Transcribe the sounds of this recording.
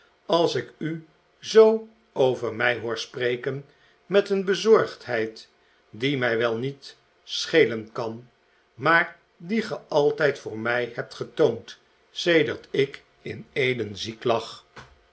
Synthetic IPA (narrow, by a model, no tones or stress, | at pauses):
ɑlˠsɪky | zow | owvəɹmɛjɦʊːɹsprejkən | mɛtənbəzɔɹχtɦɛjt | dimɛjʋɛlˠnit | sχejlənkɑn | maːɹ | diχəʔɑlˠtɛjtfʊːɹmɛjɦɛp̚tχətownt | sejdəɹtɪk | ɪ̰nejdənziklɑχ